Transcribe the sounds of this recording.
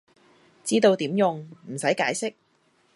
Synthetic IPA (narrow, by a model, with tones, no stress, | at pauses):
t͡siː˥t̪o˧wt̪iː˨˥mjʊ˨˧ŋm̩˨˩sɐ˨˥jkaː˨˥jsɪ˥k̚